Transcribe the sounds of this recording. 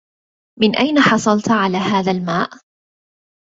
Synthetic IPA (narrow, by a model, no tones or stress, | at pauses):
mɪnʔajnaħɑsˤɑlt̪ʕalaːhaːðalmaːʔ